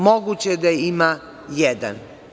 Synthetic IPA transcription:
moɡut͡ɕed̪ajeima | jɛd̪a̰n

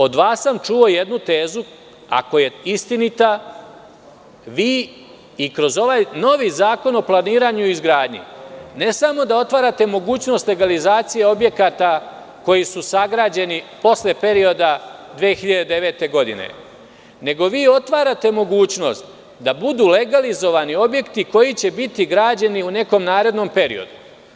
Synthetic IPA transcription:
o̞d̪ʋaːsːamt͡ʃuo̞je̞d̪nut̪e̞ːzu | a̰ko̞je̞ist̪init̪a | ʋiː | ikɾo̞zo̞ʋaːjno̞ʋiːzaːko̞no̞plˠaniːɾaɲuizɡɾaːd̪ɲḭne̞samo̞d̪ao̞t̪ʋaːɾat̪e̞mo̞ɡuːt͡ɕno̞st̪le̞ɡalizaːt̪sije̞o̞bje̞kat̪a | ko̞jisusaɡɾaːd͡ʑe̞nipo̞sle̞pe̞ɾio̞d̪ad̪ʋeːxiʎad̪ed̪e̞ʋeːt̪e̞ɡo̞d̪ḭne̞̰ | ne̞ɡo̞ʋiːo̞t̪ʋaːɾat̪e̞mo̞ɡuːt͡ʃno̞̰st̪ | d̪abud̪uːle̞ɡalizo̞ʋanio̞bje̞kt̪iko̞jit͡ɕe̞bit̪iɡɾaːd͡ʑeniune̞ko̞mnaːɾe̞d̪no̞mpe̞ɾḭo̞̰d̪u

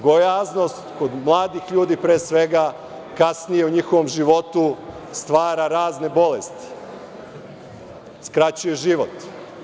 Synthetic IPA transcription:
ɡojaːzno̞st̪ko̞d̪mlˠaːd̪ixʎuːd̪ipɾeːsʋe̞ɡa | kasnije̞uɲixoʋo̞mʒiʋo̞t̪u | st̪ʋaːɾaɾaːzne̞bo̞lest̪i̥ | skɾat͡ɕuje̞ʒiʋo̞t̪

